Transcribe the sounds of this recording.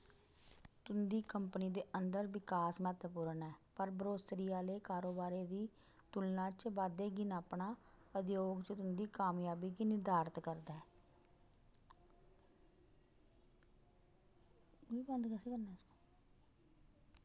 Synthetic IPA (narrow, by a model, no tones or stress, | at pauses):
t̪ʊnd̪iːkəmpniːd̪eːʔənd̪əɾʋɪkaːsmɛːt̪əpuːɾənɛːpəɾbəɾoːsɾiːaːleːkaːɾoːbaːɾeːd̪iː | t̪ʊlnãːt͡ʃbaːd̪eːɡɪnaːpɳaːəd̪joːɡt͡ʃət̪ʊnd̪iːkaːmjaːbiːɡɪnɪd̪aːɾt̪kəɾd̪aːɛː | iːbənd̪kɛːseːkəɾnaːskoː